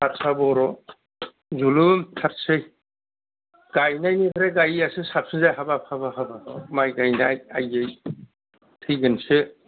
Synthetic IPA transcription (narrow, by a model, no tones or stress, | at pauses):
aɾsabɔɾɔ | zulumtʰaɾsɯj | ɡ̥ajnajnikʰɾaɡajasɯsap̚sɯzajɦabapʰabahabaɔmajɡajnajajej | tʰɯjɡɯnsɯ